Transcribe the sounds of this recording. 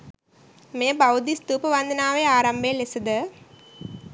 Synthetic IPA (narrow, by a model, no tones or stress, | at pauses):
meːbawd̪ist̪uːpəʋand̪ənaːʋeaːɾambejːlesəd̪ə